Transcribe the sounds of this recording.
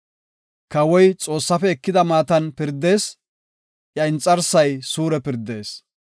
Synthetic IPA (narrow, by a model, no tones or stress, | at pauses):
kɐwɔjt͡sʼo̞ːsːɐfɛːkːɪd̪ɐmaːt̪ɐnpɪɾd̪ːe̞ːs | ʔjɐɪnt͡sʼːɐɾsːɐjsuːɾɛpɪɾd̪e̞ːs